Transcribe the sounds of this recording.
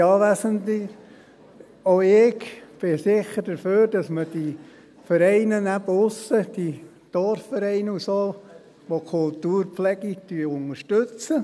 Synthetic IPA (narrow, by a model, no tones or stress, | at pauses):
ɑːʋæsənti | oɪkb̥ɪsɪχːəɾd̥əføːɾd̥ɑsməd̥i | fəɾɛɪnənæbəʊsəd̥i | d̪̥ɔɾffəɾɛɪnəusoː | ʋokʰʊltuːɾpflɛɡityəʊnəʃtɵt͡sə